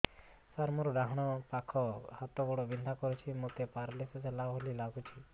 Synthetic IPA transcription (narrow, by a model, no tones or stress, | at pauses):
saɾmoɾɔɾaɦɽ̃ɔpakʰɔhat̪ɔɡɔɽɔbind̪ʱakɔɾut͡ʃʰimot̪epaɾlesɔselabɦolilaɡut͡ʃʰi